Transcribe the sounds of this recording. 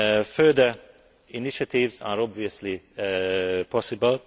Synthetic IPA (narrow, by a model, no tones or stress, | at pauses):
føːd̪ə | ɪnɪʃat̪ʰiːvsa̰ɾɔbviːsəli | pʰɔsɪbəl